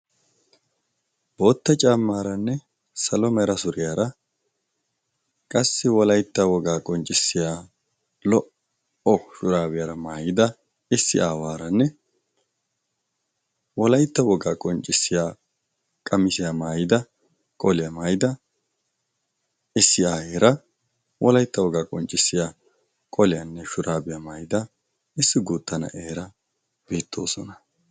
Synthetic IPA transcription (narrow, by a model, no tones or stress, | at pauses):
b̥o̞ːt̪ːɐt͡ʃʼamːaːɾɐnːɛ | sɐlɔmɐɾɐsʊɾɪjaːɾɐ | kʼɐsːɪwɔlɐjt̪ːɐwɔɡaːkʼɔnt͡ʃʼːɪsːɪjaː | lɔʔ | ɔʃʊɾaːwɪjaɾɐmaːjɪd̪ɐ | ɪsːɪ̰ʔaːwaːɾɐnːɛ | wɔlɐjt̪ːɐwɔɡaːkʼɔnt͡ʃʼːɪsːɪjaː | kʼɐmɪsɪjaːmaːjɪd̪ɐ | kʼɔlɪjɐmaːjɪd̪ɐ | ɪsːɪaːheːɾɐ | wʔɔlɐjt̪ːɐwɔɡaːkʼɔnt͡ʃʼːɪsːɪjaː | kʼɔlɪjɐnːɛʃʊɾaːbɪjɐmaːjɪd̪ɐ | ɪsːɪɡuːt̪ːɐnɐ̰ʔeːɾɐ | b̥iːt̪ʰːo̞̰ːsɔnɐ